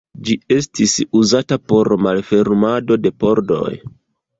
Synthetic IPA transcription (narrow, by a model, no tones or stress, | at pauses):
d͡ʒie̞stisuzatapo̞ɾmalfe̞ɾmado̞de̞po̞ɾdo̞̰j